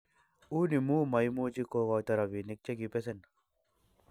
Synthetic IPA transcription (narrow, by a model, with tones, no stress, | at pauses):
u˦ni˨muː˦mɐ˨jmuːt͡ʃi˦kokɔt̪ɐɾawi˨ni˨k̚t͡ʃe˦ɡipes̬en